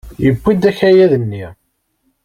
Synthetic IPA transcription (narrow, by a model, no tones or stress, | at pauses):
jəbʷːid̪æçæjæðənːi